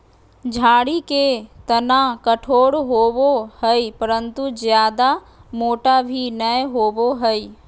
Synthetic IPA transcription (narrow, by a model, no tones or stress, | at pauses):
d͡ʒʱaːɽiket̪ənakəʈʰoːɽɦoːbohəipəɾə̃nt̪ud͡ʒjaːd̪a | moːʈabʱinəjɦoːboɦəi